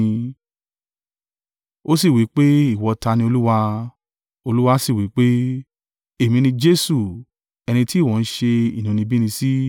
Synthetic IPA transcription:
o˦si˦˨wi˨˦k͡pe˦i˦˨wɔ˧ta˧nĩ˧o˧lu˦wa˧ | o˧lu˦wa˧˦si˦˨wi˨˦k͡pe˦ | e˦˨mĩ˧nĩ˧d͡ʒe˦su˨ | ɛ˧ñĩ˧ti˦˨wɔ̃˨n̩˦ʃe˧ḭ˨nũ˨nĩ˧bi˦nĩ˧si˦

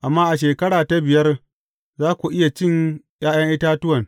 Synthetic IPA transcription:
ʔa˨mːaː˦ʔa˨ʃ̬eː˨kɐ˦ɽaː˨ta˦bɪ˨jɐ˦r | zaː˦kʷu˨ʔɪ˦ja˨t͡ʃɪ˦ŋj̰aː˦jɐ˦ŋʔɪ˦taː˦tʊ˦wɐ˨ŋ

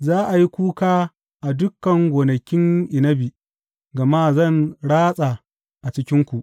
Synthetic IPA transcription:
zaː˦ʔa˨ji˦kʷuː˦kaː˦ | ʔa˨dʊ˦kːɐ˨ŋɡʷoː˨nɐ˨kʲɪ˦ŋʔɪ˨nɐ˦bi˨ | ɡɐ˨ma˦zɐ˦˨nɽaː˦sʼa˨ | ʔa˨t͡ʃɪ˦kʲɪ˦ŋkʷu˨ʔ

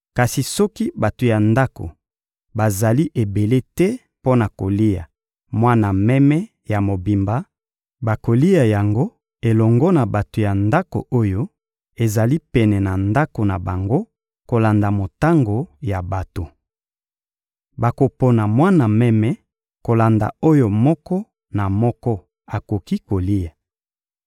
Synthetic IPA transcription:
ka˨si˨sɔ˦ki˦ba˨to˨ja˨nda˦ko̰˨ | ba˨za˨li˦ʔe˨be˨le˦tɛ˦ | po˦na˨ko˨li˦ja̰˨ | mwa˦na˨mɛ˦mɛ˦ | ja˨mo˨bi˨mba˦ | ba˨ko˨li˦ja˨ja˨ŋɡo˦ | e˨lɔ˨ŋɡɔ˦na˨ba˨to˨ja˨nda˦ko̰˨ʔo˦jo˦ | e˨za˨li˦pɛ˨nɛ˨na˨nda˦ko˨na˨ba˨ŋɡo˦ | ko˨la˨nda˨mo˨ta˦ŋɡo˨ja˨ba˨to˨ | ba˨ko˨po˨na˨mwa˦na˨mɛ˦mɛ˦ | ko˨la˨nda̰˨o˦jo˦˨mɔ˦kɔ˦ | na˨mɔ˦kɔ˦ | a˨ko˨ki˦ko˨li˦ja˨

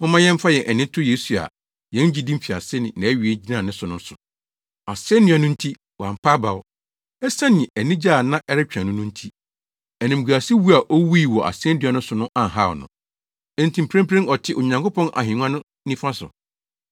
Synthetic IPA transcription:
ʊ̃˦mã˦jɛ̃˦m˦fa˦jɛ˨ʔɛ˨nɪ̃˦tʰʊ˦je˦su˨a̰˨ | jɛ̃˦n˦d͡ʑi˦dĩ˦fi˨a̰˨sɪ˦nɪ̃˨nã˨˦ɥi˨e˦d͡ʑi˦nãː˦˨nɪ̃˦sʊ˨˦nʊ̃˦n˦sʊ˨ | a˨sɪ˦ɛ˦nɪ̃˨ã˨nʊ̃˦n̩˦tʰi˦ | wã˨m̩˨pʰa˦ba˨ʊ˦ | ɛ˦sã˦nɪ̃˨ɛ˨nĩ˦d͡ʑaː˦˨nã˦ʔɛ˦ɾɪ˦t͡ɕᶣʰã˨nʊ̃˦nʊ̃˦n̩˦tʰi˦ | ɛ˨nɪ̃˨m̩˨ɡu˨a˨si˦wu˦a˨ʔo˦wi˦˨wɔ˨ʔa̰˨sɪ˦ɛ˦di˨a˨nʊ̃˦sʊ˨nʊ̃˦ʔã˨ɦa˦˨ɔ̰˨nʊ̰̃˨ | ɛ̃˨n˨tʰĩ˨m˨pʰɾẽ˦mpʰɾẽ˦nɔ˨tʰɪ˦ʔʊ˨ɲã˨ŋko˦pʰɔ̃˦nʔa̰˨ɦĩ˨ŋʷ˦ã˦nʊ̃˦ | nĩ˦fã˦sʊ̰˨

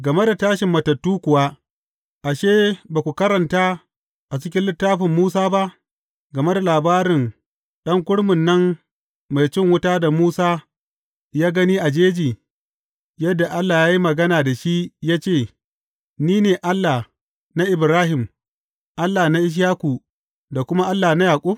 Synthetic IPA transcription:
ɡɐ˨me˦da˨taː˦ʃɪ˨mːɐ˨tːɐ˨tːuː˦kʷʊ˨waː˦ | ʔa˨ʃeː˦baː˨kʷu˨kɐ˦ɾɐ˨ntaː˦ | ʔa˨t͡ʃɪ˦kʲɪ˦nlɪ˦tːaː˦ɸɪ˨mːuː˦saː˦ba˦ʔ | ɡɐ˨me˦da˨laː˨baː˦ɾɪ˨ŋ | ɗɐ˦ŋkʷʊ˦ɽmʊ˨nːɐ˦m | ma˨jt͡ʃɪ˦ŋwʊ˦taː˦da˨muː˦saː˦ | jaː˦ɡɐ˦niː˦ʔa˨d͡ʒeː˦d͡ʒiː˨ | jɐ˦dːa˨ʔa˦lːaː˨jaː˦ji˦mɐ˨ɡɐ˦naː˨da˨ʃi˦jaː˦t͡ʃeː˦˨ | niː˦neː˨ʔa˦lːa˨ | na˦ʔɪ˨bɾaː˦ɦɪ˨m | ʔa˦lːa˨na˦ʔɪ˦ʃ̬jaː˦kʷu˨ | da˨kʷʊ˦ma˦ʔa˦lːaː˨na˦jaː˨kʷʼu˦

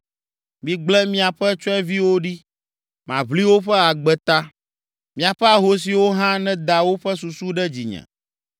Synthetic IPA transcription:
mĩ˨ɡ͡blɛ˦mĩ˦a˨ɸɛ˦t͡ʃɔ˦ɛ˦vi˦wo˦ɖi˦ | mã̰˨βli˦wo˦ɸɛ˦a˨ɡ͡bɛ˨t̪a˦ | mĩ˨a˨ɸɛ˦a˨ɦo˦s̬i˨wo˦ɦã˦nɛ̃˦d̪a˨wo˦ɸɛ˦s̬u˨su˦ɖɛ˦d͡ʑi˨ɲɛ̰̃˨

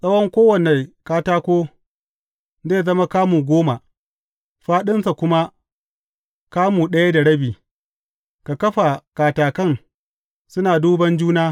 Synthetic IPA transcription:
sʼɐ˦wɔ˦ŋkʷoː˦wɐ˨ne˨kaː˦taː˦kʷoː˦ | zeː˦˨zɐ˦ma˦kaː˦muː˨ɡʷoː˦ma˨ | ɸaː˦ɗɪ˦nsa˨kʷʊ˦ma˦ | kaː˦muː˨ɗɐ˦ja˦da˨ɽɐ˦biː˨ | ka˨kɐ˦ɸa˨kaː˨taː˨kɐ˦˨ŋ | sʊ˦naː˨duː˦bɐ˦nd͡ʒuː˦naː˦

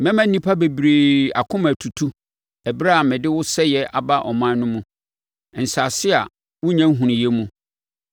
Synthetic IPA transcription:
mɛ̃˦mæ̃˦n̩˦nĩ˦pʰa˦be˨bɾeː˨a̰˨kʰʊ̃˦mæ˨tʰu˨tʰu˦ | ɛ˨bɾa˦a˨mɪ̃˨dɪ˦wʊ˦sɛ˦jɛ˨ʔa˨ba˦ʔɔ˨mã˦n˦nʊ̃˦mũ˦˨ | n̩˨sa˨sɪ˦a˨ | wʊ̃˦ɲã˦ŋ̩˦ɦũ˨nĩ˨jɛ˦mũ˦

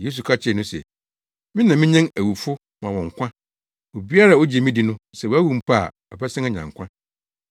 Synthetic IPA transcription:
jeː˦s̬u˨kʰa˦t͡ɕʰɪ˨nʊ̃˦sɛ̰˨ | mɪ̃˦nã˨mɪ̃˦ɲɛ̃˦ŋæ˨wu˨fʊ˦ | mã˨wɔ̃˨ŋ˨kʷʰã˦ | o˨bi˦a˦ɾa˨o˦d͡ʑi˨e˨mĩ˦di˨nʊ̃˦sɛ˨wo˨æ˦wu˨m̩˨pʰa̰˦˨ | ɔ˨bɛ˦sɪ̃˦ŋɛ˨ɲã̰˨ŋ˨kʷʰã˦

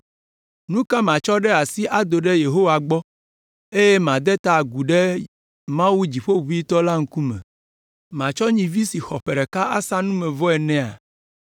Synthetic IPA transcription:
nũ˦ka˦mã˨t͡ʃɔ˦ɖɛ˦a˨si˦ʔa˨d̪o˨ɖɛ˦je˨ɦo˦wa˨ɡ͡bɔ˦ | e˦je˦mã˨d̪ɛ˦t̪a˨ɡu˨ɖɛ˦ | mã˦wu˦d͡ʑi˨ɸo˦ɸu˨˦i˦t̪ɔ˦la˦ŋ̩˦ku˦mɛ̰̃˨ | mã˨t͡ʃɔ˦ɲĩ˨vi˦si˨xɔ˨ɸɛ˨ɖɛ˨ka˦a˦sa˦nũ˦mɛ̃˨vɔ˦ɛ˨nɛ̃˨a̰˨

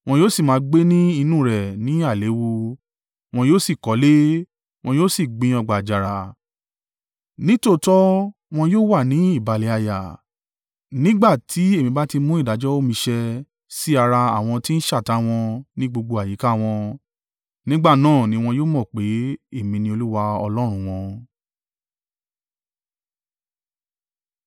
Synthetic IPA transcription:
w̃ɔ̃˧joː˦si˦˨mãː˨˧˦ɡ͡be˦nĩ˦i˧nũ˦˨ɾɛ˨nĩ˨˦a˦˨le˨˦wu˧ | w̃ɔ̃˧joː˦si˦˨kɔ˨˦le˦ | w̃ɔ̃˧joː˦si˦˨ɡ͡bĩ˧ɔ˧ɡ͡ba˨d͡ʒa˨ɾa˨ | nĩ˦to˦˨tɔ˦ | w̃ɔ̃˧joː˦wa˦˨nĩ˨˦i˦˨ba˨le˨˦a˧ja̰˨ | nĩ˦ɡ͡ba˦˨tʰi˨˦e˦˨mĩ˨˧ba˦ti˧mũ˦i˦˨da˨˦d͡ʒɔ˦o˦˨mĩ˧ʃɛ˧ | si˦a˧ɾa˧a˦˨w̃ɔ̃˧ti˦n̩˦ʃa˦˨ta˨˦w̃ɔ̃˧nĩ˦ɡ͡bo˧ɡ͡bo˧a˨ji˨˦ka˦w̃ɔ̃˧ | nĩ˦ɡ͡ba˦˨nãː˦˨nĩ˨˦w̃ɔ̃˧joː˦mɔ̃˦˨k͡pe˨˦e˦˨mĩ˧nĩ˧o˧lu˦wa˧ɔ̰˧lɔ˦ɾ̃ũ˧w̃ɔ̃˧

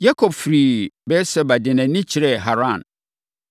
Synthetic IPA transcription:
ja˦kʰɔ˨b̚fɾiː˨bɛː˦sɛ˦ba˨dɪ˨nɛ̃˨nɪ̃˦t͡ɕʰɪ˨ɾɛ˦˨ɦa˨ɾã˦˨n

